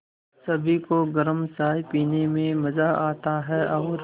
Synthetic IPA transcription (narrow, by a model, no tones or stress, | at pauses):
sɐbʱikoɡɐɾəmsaːjpiːnemẽmɐzaʔaːt̪aɦɛʔɔːɾ